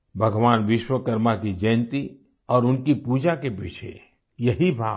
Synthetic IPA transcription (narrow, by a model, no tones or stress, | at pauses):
bʱɐɡʋaːnʋɪʃwəkəɾmakid͡ʒɐ̃ːnt̪i | ɔːɾʊnkipuːd͡ʒakepit͡ʃʰḛ | jɐɦibʱaː